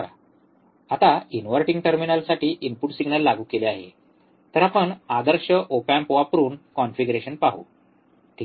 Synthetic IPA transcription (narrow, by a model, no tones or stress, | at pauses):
ɾa | at̪ainʋəɾʈiŋɡʈəɾminalsaʈiːʔinpuʈsiɡnəlːaɡuːkeleaɦḛ | t̪əɾapəɳad̪əɾɕəʔopampoʋapəɾuːnkɔnfiɡɾeɕənpaɦṵ | t̪i